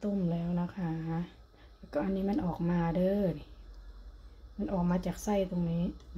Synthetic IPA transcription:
t̪o˧˩˨mlɛː˦˥wna˦˧˥kʰa˦˥ | lɛː˧˩ka˧˩ʔa˧nːiː˦˥ma˧˥˨nʔɔː˨˩k̚maː˧dɤː˧˩˨ | ma˧˥˨nʔɔː˨˩k̚maː˧t͡ɕaː˨˩k̚sa˧˥˩jt̪o˧ŋniː˦˥

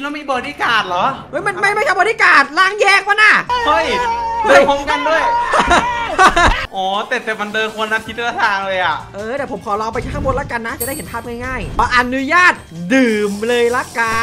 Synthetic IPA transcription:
lɔː˦˥miː˧bɔː˧li˦˥˩kaː˨˩t̪̚lɔː˨˦˥ʔɤː˦˥˩jma˧˩nma˥˩jma˥˩jt̪ʰa˧˩bɔː˧li˦˥kaː˨˩t̪̚laː˧˩ŋjɛː˧˥ŋwa˧na˧˥˩ho˧˥˩jlːpʰo˧˥mka˧ndu˥˩əj | ʔɔː˨˩˦t̪ɛː˨˩t̪ɛː˨˩ma˧ndɤː˧nkʰu˧ənːa˧˩i˦˥t̪̚ɾɯ˧˩t̪ʰaː˧˩ŋlɤː˧jʔa˨˩ʔʔɤː˧t̪ɛː˨˩pʰo˩˦mkʰɔː˨˦lɔː˧ŋpa˧jt̪ʰa˥ŋmo˨˩t̪̚a˦˥ka˧nːa˦˥t͡ɕa˨˩da˥˩he˨˦npʰaː˥˩p̚ŋaː˥˩jŋaː˥˩jɔ˧˩ʔa˧nːu˦˥jaː˥˩t̪̚dɯː˨˩mlɤː˧jla˦˥kaː˧

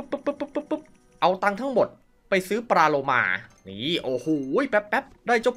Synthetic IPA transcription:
p̚ːɯ˦˥pːɯ˦˥pːɯ˦˥pːɯ˦˥pːɯ˦˥p̚ | ʔa˧wt̪a˧ŋt̪ʰa˥ŋmo˨˩t̪̚ | pa˧jsɯː˦˥pɾaː˧loː˧ma̰ː˧niː˦˥ʔoː˨˩hoː˧˩˦jpɛ˦˥p̚ːɛ˦˥p̚daː˥˩jt͡ɕo˧˥˩p̚

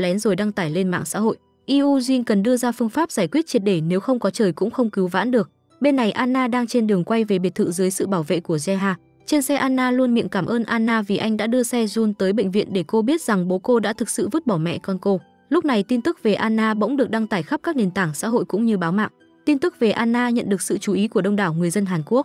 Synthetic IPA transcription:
lɛ˨˦nzo˨˩jɗa˧ŋt̪aː˧˩jle˧nma̰ː˧˨ŋsa̰ː˧˥ɦo̰˧˨j | ʔi˧ʔu˧zi˧ŋkə˨˩nɗɨ˧əzaː˧fɨ˧əŋfaː˦˥p̚zaː˧˩jkwi˦˥t̚t͡ɕi˨˩t̚ɗe˧˩ne˨˦wxə˧wŋ͡mkɔ˨˦t͡ɕəː˨˩jkʊ̰˧˥ŋ͡mxə˧wŋ͡mki˨˦wva̰ː˧˥nɗɨ˨˩ək̚ | ɓe˧nːa˨˩jʔaː˧nːaː˧ɗaː˧ŋt͡ɕe˧nɗɨ˨˩əŋkwa˧jve˨˩ɓe˨˩t̚t̪ʰɨ̰˧˨zɨː˨˦jsɨ̰˧˨ɓaː˧˩wvḛ˧˨ku˧˩əzɛ˧ɦaː˧ | t͡ɕe˧nsɛ˧ʔaː˧nːaː˧lu˧ənmḭ˧˨ənkaː˧˩mʔəː˧nʔaː˧nːaː˧vi˨˩ʔa˧jŋ̟ɗa̰ː˧˥ɗɨ˧əsɛ˧zu˧nt̪əː˨˦jɓḛ˧˨ŋ̟vḭ˧˨ənɗe˧˩ko˧ɓi˦˥ət̚z̥a˨˩ŋɓo˨˦ko˧ɗa̰ː˧˥t̪ʰɨ˨˩k̚sɨ̰˧˨vɨ˦˥t̚ɓɔ˧˩mɛ̰˧˨kɔ˧nko˧ | lʊ˦˥k͡p̚na˨˩jt̪i˧nt̪ɨ˦˥k̚ve˨˩ʔaː˧nːaː˧ɓə̰˧˥ŋ͡mɗɨ˨˩ək̚ɗa˧ŋt̪aː˧˩jxa˦˥p̚kaː˦˥k̚ne˨˩nt̪aː˧˩ŋsa̰ː˧˥ɦo̰˧˨jkʊ̰˧˥ŋ͡mɲɨ˧ɓaː˨˦wma̰ː˧˨ŋ | t̪i˧nt̪ɨ˦˥k̚ve˨˩ʔaː˧nːaː˧ɲə̰˧˨nɗɨ˨˩ək̚sɨ̰˧˨t͡ɕu˨˩ʔi˨˦ku˧˩əɗə˧wŋ͡mɗaː˧˩wŋɨ˨˩əjzə˧nɦaː˨˩nku˦˥ək̚

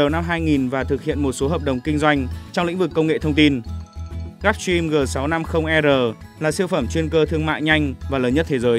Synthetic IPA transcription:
ə˨˩wna˧mɦaː˧jŋi˨˩nvaː˨˩t̪ʰɨ˨˩k̚hḭ˧˨ənmo˨˩t̚so˨˦ɦəː˨˩p̚ɗə˨˩wŋ͡mkï˧ŋ̟zwa˧jŋ̟t͡ɕɔ˧ŋ͡mlḭ̟̈˧˥vɨ˨˩kːə˧wŋ͡mŋḛ˧˨t̪ʰə˧wŋ͡mt̪i˧n | ɣaː˦˥p̚t͡ɕwi˧mɣəː˨˩sa˨˦wna˧mxə˧wŋ͡mʔɛ˧zəː˨˩laː˨˩si˧wfə˧˩mt͡ɕwi˧ənkəː˧t̪ʰɨ˧əŋma̰ː˧˨jɲa˧jŋ̟vaː˨˩ləː˨˦ɲə˦˥t̚t̪ʰe˨˦zəː˨˦j

